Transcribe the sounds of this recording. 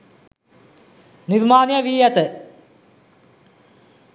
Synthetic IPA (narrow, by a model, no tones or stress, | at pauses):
niɾmaːnjɐʋiːjɐt̪ɨ